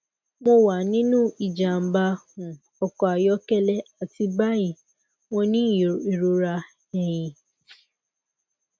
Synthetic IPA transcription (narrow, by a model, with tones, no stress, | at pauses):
mo˦wa˨nĩ˦nũ˦˨i˨d͡ʒa˨m̩˨ba˦hʊ̃˨ | ɔ˨kɔ˨a˨jɔ˦kɛ˦lɛ˦a˨ti˦ba˦i˨ | ŋɔ̃˦nĩ˦˨e˨ɾo˨ɾa˧ | ɛ˦jĩ˨